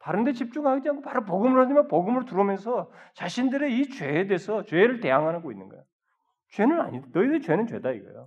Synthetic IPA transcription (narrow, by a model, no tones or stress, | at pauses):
taɾɯnde̞t͡ɕip̚t͡ɕ͈uŋɦaɡid͡ʑiankʰopaɾop̬oɡɯmɯɭhadimʌnpoɡɯmɯɭtuɾomjʌnsʰʌt͡ɕaɕʰindɯɾeit͡ɕɥweːdeesʰʌt͡ɕwe̞ɾɯɭte̞jaŋɦanɯɡoinːɯnɡʌ̰jo | t͡ɕwe̞nɯna̰ɲidanʌidɯt͡ɕwe̞nɯnt͡ɕwe̞̰daḭɡʌ̰jo